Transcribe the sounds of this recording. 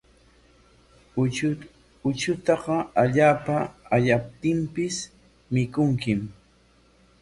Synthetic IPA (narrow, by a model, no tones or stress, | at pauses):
ʊt͡ʃʊt̪ɑɢɑaʎaːpaːʎap̚t̪ɪmpɪs | mɪkʊŋkɪm